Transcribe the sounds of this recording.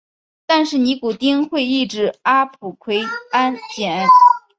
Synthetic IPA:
t̪a˥˧nʂɻ̩˥˩ni˧˥ku˨˩t̪i˥˧ŋxwe˥˧ɪi˥˧ʈ͡ʂɻ̩˥˩a˥pʰu˨˩kʰwe˥ɪa˥nt͡ɕjɛ˨˩n˥

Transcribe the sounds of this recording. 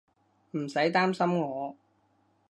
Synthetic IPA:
m̩˨˩sɐ˨˥jt̪aː˥msɐ˥mŋɔː˨˧

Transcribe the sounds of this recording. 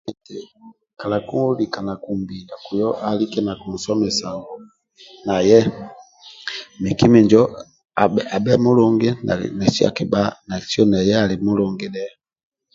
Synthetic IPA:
ɛ˨tɛ˨ | ka˨la˨ku˦lika˨na˨ku˨mbi˨la˨ku˨jɔ˦ʔa˨li˦kɛ˦na˨ku˨m̩˨sɔ˦mɛ˨sa˨ɡɔ˨ | na˨jɛ˦ | mi˨ki˦mi˨ɲd͡ʒɔ˨ | a˨bɛ˦mu˦lɔ˦ŋɡɛ˦na˨nɛ˨si˦a̰˨ki˨ba˦na˨si˦ɔ˦nɛ˨jɛ˦a˨li˨mu˦lɔŋɡɛnɛ˦a

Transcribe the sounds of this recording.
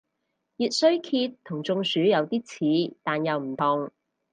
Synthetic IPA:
jiː˨˧t̚sɵ˥ɥkʰiː˧t̪ʰːʊ˨˩ŋt͡sʊ˧ŋsyː˨˥jɐ˨˧wt̪iː˥t͡sʰiː˨˥t̪aː˨njɐ˨wm̩˨˩t̪ʰʊ˨˧ŋ

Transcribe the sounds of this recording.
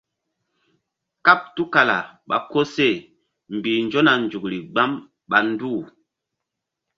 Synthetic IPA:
ka˦p̚tu˦ka˨la̰˨ɓa̰˨ko˦se˦˨ | m̩˨bi˨n˦d͡ʒo˦na˨n˨d͡ʒu˨k̚li˨ɡ͡ba˦m | ɓa˨n˦du˦˨

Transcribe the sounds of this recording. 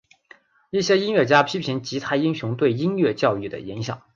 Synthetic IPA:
i˥˩ɕjɛ˥i˥nɥɛ˥˩t͡ɕja˥pʰi˥pʰi˧˥nt͡ɕi˧˥t̪ʰa˥˩ɪi˥ŋɕʊ˧˥ŋt̪we˥˩ɪi˥nɥɛ˥˧t͡ɕjɑ˥˧ʊy˥˩d̪ə̰˩i˧˥nɕjɑ̰˨˩˦ŋ

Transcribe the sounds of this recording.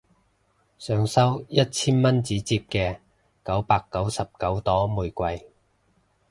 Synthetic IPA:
sœː˨˧ŋsɐ˥wjɐ˥t̚t͡sʰiː˥nmɐ˥nt͡siː˨˥t͡siː˧p̚kɛː˧ | kɐ˨˥wpaː˧kːɐ˨˥wsɐ˨p̚kɐ˨˥wt̪ɔː˥muː˨jkʷɐ˧j

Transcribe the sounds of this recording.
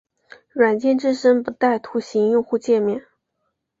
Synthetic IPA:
ɻwa˨˩nt͡ɕjɛ˥˧nʈ͡ʂɻ̩˥˧ʂə˥ŋpu˧˥t̪a˥˩ɪt̪ʰu˧˥ɕi˧˥ŋjʊ˥˧ŋxu˥˧t͡ɕjɛ˥˧mjɛ˥˩n

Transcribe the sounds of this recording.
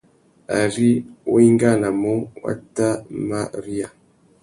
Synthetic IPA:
a̰˨ɾi˦o˦i˦ŋ˦ɡa˦˨na˨mo˦wa̰˦ta˦ma˦ɾi˦a˨

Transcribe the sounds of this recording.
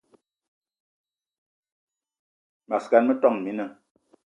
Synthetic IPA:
ma˨ska˦nmə˦tɔ˦ŋ˨mi˨˦nə˦

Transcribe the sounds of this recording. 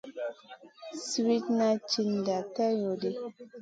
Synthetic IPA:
swi˦tna˦t͡ʃi˦n˨da˨ta˦jɔ˨de˦

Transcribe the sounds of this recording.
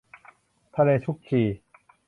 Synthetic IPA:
t̪ʰa˧leː˧t̪ʰu˦˥k̚kʰiː˧˩

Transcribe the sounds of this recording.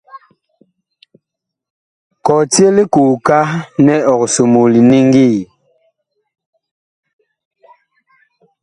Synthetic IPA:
kɔ˨ti˦e˦li˦ku˨ka˦nɛ˦ɔ˨kso˨mo˨li˨ni˦ŋɡi˦˨

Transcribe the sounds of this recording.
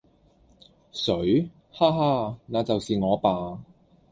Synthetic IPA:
sɵ˨˥ɥ | haː˥ɦaː˥naː˨˧t͡sɐ˨wsiː˨ŋɔː˨˧paː˨˧

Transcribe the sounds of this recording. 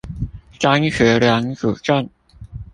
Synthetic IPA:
ʈ͡ʂa˥nɕɥɛ˧˥ljɑ˧˥ŋʈ͡ʂu˨˩ʈ͡ʂa˥˩n

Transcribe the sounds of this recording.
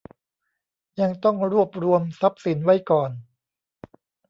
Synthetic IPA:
ja˧ŋt̪ɔ˥˩ŋɾu˥˩əp̚ɾu˧əmsa˦˥p̚si˨˩˦nwa˦˥jkɔː˨˩n

